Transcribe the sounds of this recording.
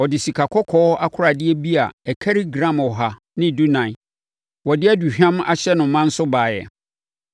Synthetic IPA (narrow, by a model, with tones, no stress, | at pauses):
ɔ˨dɪ˨si˨kʰa˨kʰɔ˦kʰɔː˨˦a˦kʰʊ˦ɾa˨dɪ˦ɛ˦bi˦a˨ɛ˨kʰɛ˦ɾi˦ɡɾã˦˨mɔ˨ɦa˨ | nɪ̃˦˨du˦nã˨ | wɔ˨dɪ˦ɛ˦du˨ɕᶣã˦ma̰˦ɕɛ˦nʊ̃˨˦mã˦n̩˦sʊ˦baː˨jɛ̰˨